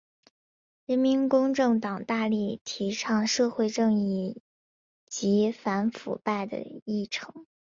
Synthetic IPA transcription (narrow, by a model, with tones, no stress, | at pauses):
ɻə˧˥nmi˧˥nkʊ˥ŋʈ͡ʂɤ˥˩ŋt̪ɑ˨˩ŋt̪a˥˧li˥˩t̪ʰi˧˥ʂʰɑ˥˧ŋʂɤ˥˧xwe˥˧ɪʈ͡ʂɤ˥˧ŋi˥˩ | t͡ɕi˧˥fa˧˥nfṵ˨˩pa˥˩ɪd̪ə̰˩i˥˩ʈ͡ʂʰɤ˧˥ŋ